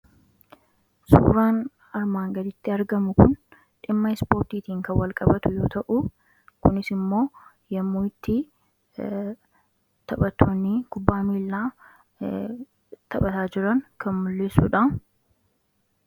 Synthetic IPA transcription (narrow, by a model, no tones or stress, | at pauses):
sṵːɾaːn | ɐɾmaːŋɡɐd̪ɪt̪ːɪɐɾɡɐmʊkʊn | ᶑɪmːɐɪspo̞ːɾt̪iːt̪iːŋkɐwɐlkʼɐbɐt̪ʊjoːt̪ɐʔʊ | kʊnɪsɪmːo̞ː | jɐmːuːɪt̪ːi | t̪ɐbɐt̪ʰːoːnːɪkʊbːaːmiːlːaː | t̪ʰɐɓɐt̪aːd͡ʒɪɾɐŋkʰɐnmʊlːɪsṵːᶑɐ